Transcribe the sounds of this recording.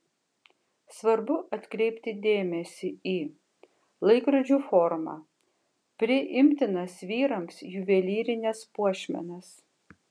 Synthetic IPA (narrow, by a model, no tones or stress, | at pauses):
sʋɐɾbʊʔɐt̪ʲkɾʲɛɪpʲt̪ʲɪd̪ʲeːmʲɛsʲɪiː | lˠɐɪkɾɐd͡ʒʲuːfɔɾmɑ̰ː | pʲɾʲɪʔɪmʲt̪ʲɪnɐsʋʲiːɾɐmsjʊʋʲɛlʲiːɾʲɪnʲɛspuɔʃʲmʲɛ̰nɐs